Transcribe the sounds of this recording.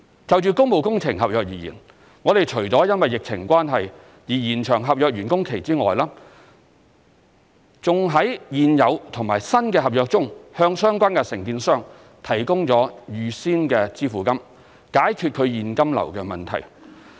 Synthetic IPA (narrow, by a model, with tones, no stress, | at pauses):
t͡sɐ˨wt͡ʃyː˨˧kʊ˥ŋpo˨˧wkʊ˥ŋt͡sʰɪ˨˩ŋɦɐ˨p̚jœː˧k̚jiː˨˩jḭː˨˩n | ŋɔː˨˧t̪e˨jt͡ʃʰɵ˨˩ɥt͡sɔː˨˥jɐ˥nwɐ˨jːɪ˨k̚t͡sʰɪ̰˨˩ŋkʷwʷaː˥nɦɐ˨j | jiː˨˩jiː˨˩nt͡ʃʰœː˨˩ŋɦɐ˨p̚jœː˨˧k̚ɥyː˨˩nkʊ˥ŋkʰe˨˩jt͡siː˥ŋɔː˨jlaː˥ | t͡sʊ˨ŋɦɐ˨˥jjiː˨njɐ˨˧wt̪ʰʊ˨˩ŋmaː˨˩jsɐ˥nkɛː˧ɦɐ˨p̚jœː˧k̚t͡sʊ˥ŋhœː˧ŋsœː˥ŋkʷaː˥nkɛ˧sɪ˨˩ŋkiː˧nsœː˥ŋ | t̪ʰɐ˨˩jkʊ˥ŋt͡sɔː˨˥jyː˨˧siː˥nkɛː˧t͡siː˥fuː˨kɐ˥m | kaː˨˥jkʰy˧t̚kʰɵ˨˧ɥjiː˨nkɐ˥mlɐ̰˨˩wkɛː˧mɐ˨nt̪ʰɐ̰˨˩j